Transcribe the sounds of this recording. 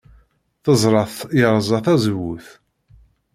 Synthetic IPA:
θəzˤɾˤɑθjəɾˤzˤɑθæzəwuθ

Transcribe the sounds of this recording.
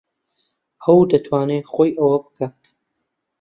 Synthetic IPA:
ɐwd̪ɐt̪ʰwaːneχoːjʔɐwɐbɨkaːt̪

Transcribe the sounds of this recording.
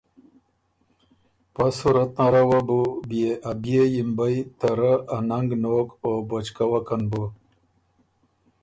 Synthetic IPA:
pasuɾɐt̪naɾawabubijeʔabjejimbajt̪aɾəanaŋɡnoːkobot͡ʃkawakanbu

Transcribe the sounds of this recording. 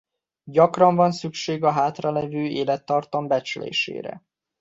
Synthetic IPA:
ɟɒkrɒɱvɒnsykʃeːɡɒɦaːt̪rɒlɛvøːeːlɛt̪ːɒrt̪ɒmbɛt͡ʃlḛːʃḛːɾɛ̰

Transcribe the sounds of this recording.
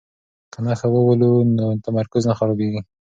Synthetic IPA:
kanaxawəwəlunot̪amaɾkʊznaxaɾɑbeɡi

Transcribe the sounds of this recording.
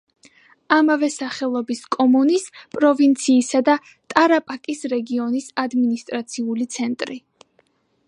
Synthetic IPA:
amavɛsaχɛlˠɔbiskʼɔmunispʼɾɔvint̪sʰiːsad̪a | t̪ʼaɾapʼakʼisɾɛɡiɔnisad̪minist̪ʼɾat̪sʰiulit̪sʰɛnt̪ʼɾi

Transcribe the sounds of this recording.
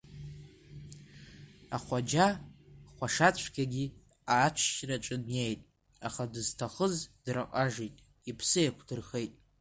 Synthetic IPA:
a̰χʷad͡ʒaχʷaʂat͡sʷʰkʲʰaɡʲi | aːt͡ʃʷʰʃraʈ͡ʂʼɨdne̞jtʼ | aχadɨztʰaχəzd̥raqʼaʐijtʼ | ipʰsɨjakʷʰdɨrχejtʼ

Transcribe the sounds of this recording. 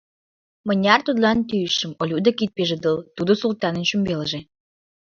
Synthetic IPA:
mə̆nʲɑrt̪ud̪lɑnt̪yjʃə̆molʲud̪ə̆kit̪̚peʒə̆d̪əlt̪ud̪osult̪ɑnə̆nʃymbeləʒe

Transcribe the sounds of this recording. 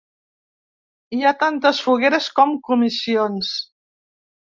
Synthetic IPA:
iat̪ant̪əsfuɣeɾəskɔmkumisions

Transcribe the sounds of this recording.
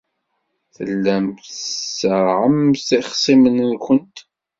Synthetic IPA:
θə̰lːæmθsəɾʕəmsiχsˤimənnkʷənt̪

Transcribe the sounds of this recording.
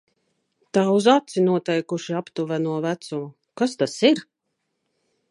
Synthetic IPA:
t̪aːuzat̪sinuɔt̪ɛjkuʃiapt̪uvænuɔvæt̪sumu | kast̪asiɾ

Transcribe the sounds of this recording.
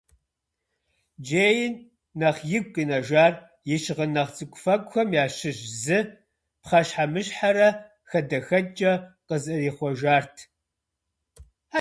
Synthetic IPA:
d͡ʒeːjɪnː | ɐχjɪɡʷʼqʼiːnɐʒaːr | jɪʃʁənɐχt͡sʼɨkʷʼʊfɐkʷʼxʷɐmjaːɕɪʒzɨ | pχɐʃħamɨɕħaɾɐ | xɐdɐxɐd͡ʒʼɐqəzɨriːχʷɔʒaːrtʰ | a

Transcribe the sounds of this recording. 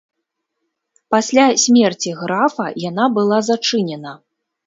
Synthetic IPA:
pasʲlʲasʲmʲɛrt͡sʲiɣɾafɐ̰jan̪abɨlˠazat͡ʂɨnʲɛnɐ

